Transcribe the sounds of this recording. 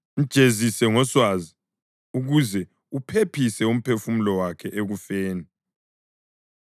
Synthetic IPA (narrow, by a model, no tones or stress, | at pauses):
ŋ̩d̥ʒ̥ʱezisɛŋɔswazi | uɣuzɛ | upʰepʰisɛum̩pʰefumulɔwakʰɛʔeɣufeːni